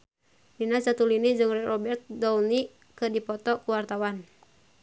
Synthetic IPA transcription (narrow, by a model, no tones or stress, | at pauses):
ninat͡ʃat̪ulinid͡ʒɨŋrɛrɔbɛrt̪̚dɔuni | kɨdipɔt̪ɔkuwart̪awan